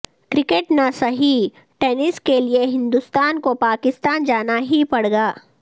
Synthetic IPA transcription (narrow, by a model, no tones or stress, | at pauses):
kɾɪkeʈnasɐɦi | ʈeːnɪskelieɦɪ̃nd̪ʊst̪aːnkopaːkɪst̪aːnd͡ʒaːnaɦipɐɽɡaː